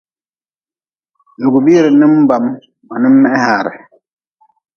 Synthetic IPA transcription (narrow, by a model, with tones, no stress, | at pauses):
lu˨ɡu˨ɓi˦ɾɛ˨ni˦m˦ba˨m | ma˨ni˦mːɛ˦ɛ˦haː˨ɾɛ̰˨